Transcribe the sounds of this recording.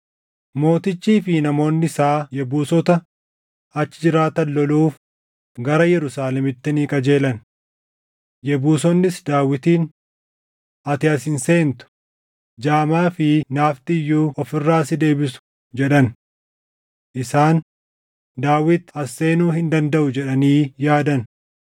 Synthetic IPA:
mo̞ːt̪ɪt͡ʃːiːfɪnɐmo̞ːnːɪɪsaːjɛbuːsɔt̪ɐ | ɐt͡ʃːɪd͡ʒɪɾaːt̪ɐnːɔluːf | ɡɐɾɐjɛɾʊsaːlɛmɪt̪ːɪniːkʼɐd͡ʒe̞ːlɐn | jɛbuːsɔnːɪsd̪aːwɪt̪iːn | ɐt̪ɪɐsɪnse̞ːnt̪ʊ̥ | d͡ʒaːmaːfɪnaːft̪ɪɪjːuːʔɔfɪrːaːsɪd̪e̞ːbɪsʊ̥ | d͡ʒɛᶑɐn | ʔɪsaːn | d̪aːwɪt̪ɐsːe̞ːnuːhɪnd̪ɐnd̪ɐʔʊd͡ʒɛᶑɐniːjaːd̪ɐn

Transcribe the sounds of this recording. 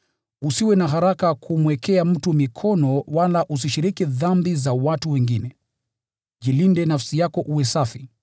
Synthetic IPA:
usiwɛnaɦaɾakakʰumwɛkʰɛam̩tumikʰɔnɔwalaʔus̬iʃiɾikiðambizawatuwɛŋɡinɛ | ʄilindɛnafsijakɔʔuwɛsafi

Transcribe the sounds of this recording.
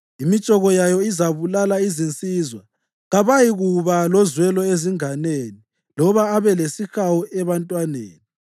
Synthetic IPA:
imit͡ʃʼɔɣɔjajɔizaβulalaizint͡sʼizwa | ɣaβajiɣuβalɔzwɛlɔeziŋaneni | lɔβaːβɛlesixawuʔɛβantʼwanḛːni

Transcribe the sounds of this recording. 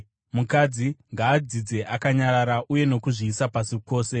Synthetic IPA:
mukad͡ziŋɡaːd͡zid͡ze̞ʔakaɲaɾaɾaʔuje̞no̞kuʐiːsapasiko̞ːse̞

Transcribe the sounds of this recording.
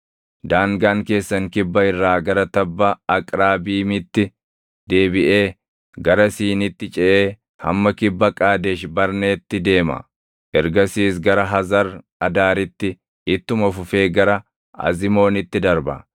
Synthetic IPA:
d̪aːŋɡaːŋke̞ːsːɐŋkɪbːɐɪrːaːɡɐɾɐt̪ɐbːɐɐkʼɾaːbiːmɪt̪ːɪ | d̪̥e̞ːbɪʔe̞ː | ɡɐɾɐsiːnɪt̪ːɪt͡ʃʼɛʔeː | hɐ̰mːɐkɪbːɐkʼaːd̪ɛʃbɐɾne̞ːt̪ːɪd̪e̞ːmɐ̰ | ʔɛɾɡɐsiːs̬ɡɐɾɐɦɐzɐɾ | ɐd̪aːɾɪt̪ːɪ | ɪt̪ːʊmɐfʊfe̞ːɡɐɾɐ | ɐ̰zɪmo̞ːnɪt̪ːɪd̪ɐɾbɐ̰

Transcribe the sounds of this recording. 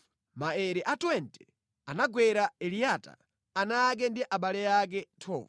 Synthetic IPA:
maɛɾiʔatwɛntʼɛ̥ | anaɡwɛɾaɛlijata̰ː | nak̬ɛndiʔaɓalɛjak̬ɛtʰɔ̰ːv

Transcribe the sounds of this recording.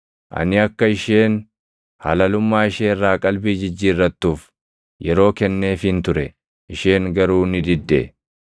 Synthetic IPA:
ʔɐ̰nɪɐkːɐɪʃeːn | hɐ̰lɐlʊmːaːɪʃeːrːaːkʼɐlbiːd͡ʒɪd͡ʒːiːrːɐt̪ːuːf | jɛɾo̞ːkɛnːe̞ːfɪnt̪ʊɾɛ | ʔɪʃeːŋɡɐɾuːnɪd̪ɪd̪ːḛ

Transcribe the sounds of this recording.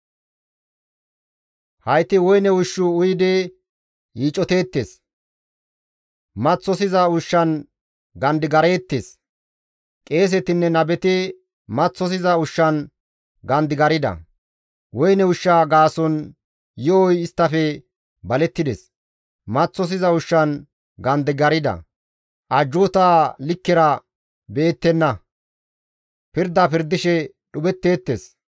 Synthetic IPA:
hɐjt̪ːɪwɔjnɛʊʃːʊʊjɪd̪ɛ | jiːt͡ʃʼːɔt̪e̞ːt̪ːeːs | mɐt͡sːɔsɪzɐʊʃːɐn | ɡɐnd̪ɪɡɐɾe̞ːt̪ːeːs | kʼe̞ːs̬ɛt̪ɪnːɛnɐbɛt̪ɪ | mɐt͡sːɔs̬ɪzɐʊʃːɐn | ɡɐnd̪ɪɡɐɾɪd̪ɐ̰ | wɔjnɛʊʃːaːɡaːsɔn | jɔɔjɪst̪ːɐfɛ | bɐlɛt̪ːɪd̪ɛ̰s | mɐt͡sːɔs̬ɪzɐʊʃːɐn | ɡɐnd̪ɪɡɐɾɪd̪ɐ̰ | ʔɐd͡ʒːut̪aːlɪkːɪɾɐ | beːt̪ːɛnːɐ | pɪɾd̪ːapɪɾd̪ɪʃɛ | ɗʊbɛt̪ːe̞ːt̪ːes

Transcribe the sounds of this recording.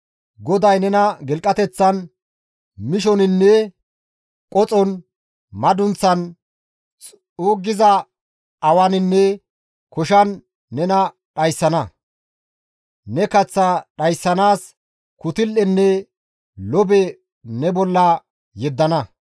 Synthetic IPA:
ɡɔd̪ɐjnɛnɐɡɛlkʼːɐt̪ɛt͡sːɐn | mɪʃɔnɪnːɛ | kʼɔt͡sʼɔn | mɐd̪ʊnt͡sːɐn | t͡sʼ | oːɡːɪzɐ | ɐwɐnɪnːɛ | kɔʃɐnː | ɛnɐ | ɗɐjsːɐnɐ | nɛkɐt͡sːɐɗɐjsːɐnaːs | kʊt̪ɪlːɛnːɛ | lɔbɛ | nɛbɔlːɐ | jɛd̪ːɐnɐ

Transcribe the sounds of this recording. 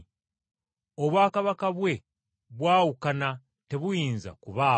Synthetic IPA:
oβwaːkaβakaβwe̞ | βwaːwukana | te̞βujiːnza̰kuβaː

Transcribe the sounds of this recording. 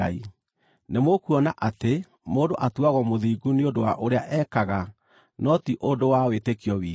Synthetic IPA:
ai | nemokuɔnaʔate | moːndoʔatuaɣɔmoðiːɡuneondowaʔoɾeaʔɛkaɣa | nɔtiʔondowawetekiɔwiː

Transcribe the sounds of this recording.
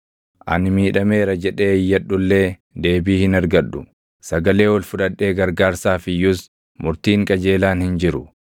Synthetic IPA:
ʔɐ̰nɪmiːᶑɐme̞ːɾɐd͡ʒɛᶑe̞ːjːɐɗːʊlːe̞ː | d̪e̞ːbiːhɪnɐɾɡɐᶑːʊ̰ | sɐɡɐle̞ːwɔlfʊᶑɐᶑːe̞ːɡɐɾɡaːɾsaːfɪjʊs | mʊɾt̪iːŋkʼɐd͡ʒe̞ːlaːnhɪnd͡ʒɪɾʊ

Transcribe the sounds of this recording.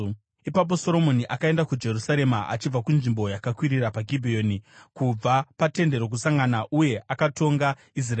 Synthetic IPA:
ipap̬o̞so̞ɾo̞mo̞niʔakae̞ndakud͡ʒe̞rusaɾe̞maʔa̰t͡ʃib͡vakunʐimbo̞jakakwiɾirapaɡʱibʱio̞ːnikub͡vapate̞nde̞ɾo̞k̬usaŋɡanaʔuje̞ʔakato̞ŋɡa | is̬ra

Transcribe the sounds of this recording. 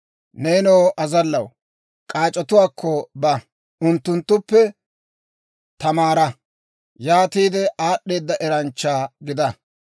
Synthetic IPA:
neːnoːʔɐzɐlːɐw | kʼaːt͡ʃʼːɔt̪ʊwaːkʰːɔbɐ | ʊnt̪ːʊnt̪ːʊpːɛ | t̪ɐmaːɾɐ | jaːt̪iːd̪ɛʔaːɗːe̞ːd̪ːɐʔɛɾɐnt͡ʃːaːɡɪd̪ɐ

